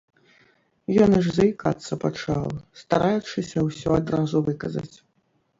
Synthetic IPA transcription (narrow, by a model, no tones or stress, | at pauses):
jɔniʐzɐikat̪sːɐpat͡ʂalst̪aɾajut͡ʂɨsʲɐwsʲɔad̪ɾazuvɨkɐzɐ̰t͡sʲ